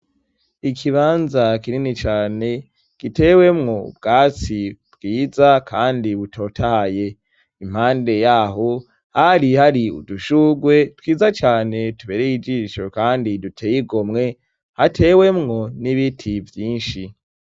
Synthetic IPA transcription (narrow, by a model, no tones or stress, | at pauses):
ikʰiβaːnzakiɾinit͡ʃaːne̞ | kite̞ːwe̞mŋobɡaːt͡sibɡiːzakʰaːndiβutʰo̞ːtʰahaje̞ | im̥haːnde̞jaɦo | haɾihaɾiṵduʃuɡwe̞twiːzat͡ʃaːne̞tuβeːɾejid͡ʒiʃokaːndidutʰejiɡomŋe̞ | hatʰe̞ːwe̞mŋo̞niβitʰivjiːnʃi